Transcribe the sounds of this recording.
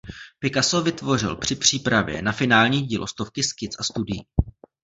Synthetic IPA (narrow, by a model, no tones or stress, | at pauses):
pɪkasovɪt̪vo̞r̝ɪ̰lpr̥ɪpr̝̥iːpɾavjɛ̰nafɪnaːlɲiːɟiːlʔost̪o̞fkɪskɪt͡sʔast̪udɪji